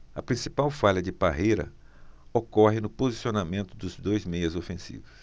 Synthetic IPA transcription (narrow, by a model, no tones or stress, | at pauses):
ɐpɾĩsipawfaʎɐd͡ʒɪbaɦejɾɐ̰ | okɔɦɪnʊpozisionamẽnt̪ʊd̪ʊzd̪ojzmejɐzofẽsḭvʊs